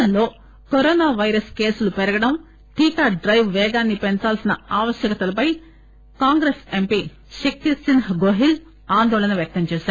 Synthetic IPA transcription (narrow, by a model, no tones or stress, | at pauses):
ɐnlo̞ː | koɾɔːnaːʋɐjɾɐske̞ːsulupɛɾɐɡɐɽɐm | ʈiːkaːɖɾɐjʋʋɛːɡaːnːipɛnt͡ʃaːlsinɐaːʋɐʃjɐkɐt̪ɐlɐpɐj | kaːŋɡɾesempi | ʃikːisinɦɡoɦil | aːnd̪ɔːlɐnɐʋjɐk̚t̪ɐmt͡ʃɛːʃaːɾu